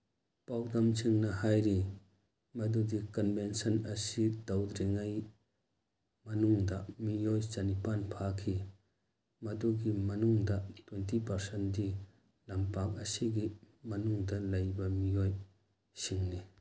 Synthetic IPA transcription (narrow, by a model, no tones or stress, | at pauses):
pawdɐmt͡ʃʰiŋnɐhajɾi | mɐd̪udikɔnbensɐnɐsidɐwd̪ɾiŋaj | mɐnuŋdɐmijojt͡ʃɐnipanpʰakʰi | mɐduɡimɐnuŋdɐtwentipɐɾsendi | lɐmpak̚ɐsiɡi | mɐnuŋdɐlɐjbɐmijoj | siŋni